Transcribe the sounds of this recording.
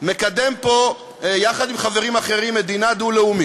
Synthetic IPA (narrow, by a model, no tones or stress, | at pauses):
me̞kad̪e̞mpo̞ | jaχad̪imχave̞ʁimaχe̞ʁimːe̞d̪inad̪uleumi